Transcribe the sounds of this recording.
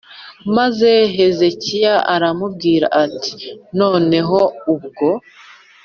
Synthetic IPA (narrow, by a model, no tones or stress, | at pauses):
maze̞ɦe̞ze̞cijaʔaɾamub̚ɡiːɾa̰ʔati̥no̞ːne̞ɦo̞ubɡo̞